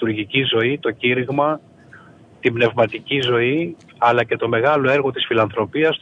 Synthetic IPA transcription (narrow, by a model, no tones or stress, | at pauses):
uɾʝicizo̞it̪o̞ciɾiɣmɐ | t̪ibne̞vmɐt̪icizo̞i | ɐlɐce̞t̪o̞me̞ɣɐlo̞e̞ɾɣo̞t̪isfilɐnθɾo̞piɐs